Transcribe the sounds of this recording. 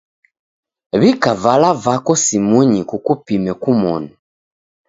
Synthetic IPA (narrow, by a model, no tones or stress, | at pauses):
βikavalavakɔsimuɲikukupimɛkumɔna